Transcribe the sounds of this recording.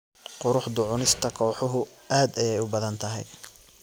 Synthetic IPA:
qʊɾʊħd̪ʊʕʊnɪst̪ʰɐkʰɔːħʊɦʊ | ʔaːd̪ɛjɛjʊbɐðɐnt̪ʰɐɦɛ̰j

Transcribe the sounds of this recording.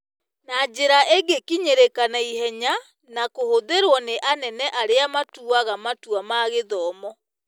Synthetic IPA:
nad͡ʑeɾaʔeɡekiɲeɾekanaihɛɲa | nakohoðeɾwɔneʔanɛnɛʔaɾeamatuaɣamatuamaɣeðɔːmɔ

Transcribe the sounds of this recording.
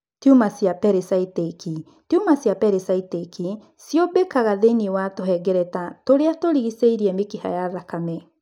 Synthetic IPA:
tiumasjapɛɾesaiteki | tiumasjapɛɾesaiteki | sjobekaɣaðeniewatoɦɛɡɛɾɛtatoɾeatoɾiɣiseiɾiɛmekiha̰jaðakamɛ

